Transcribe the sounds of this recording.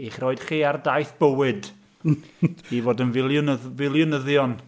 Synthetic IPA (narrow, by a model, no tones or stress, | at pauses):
iχroːɨd̥χiːardajθb̥əwɨd | ivoːdənvɪlˠjʊnəvɪlˠjʊnəðjɔn